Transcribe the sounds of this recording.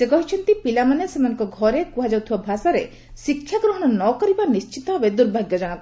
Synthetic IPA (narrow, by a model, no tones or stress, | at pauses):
sekɔɦit͡ʃʰɔnt̪ipilamanesemanɔ̃ŋkɔɡʱɔɾekuɦad͡ʒawt̪ʰibabʱasaɾe | sikʰːjaɡɾoɦɔɽ̃ɔnɔkɔɾibanist͡ʃit̪ɔbed̪uɾbʱaɡjɔd͡ʒaɽ̃ɔ̃kɔ